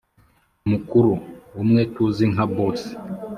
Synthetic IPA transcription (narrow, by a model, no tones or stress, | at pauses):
mukuɾuumŋɛtuziŋ̩ɦabɔs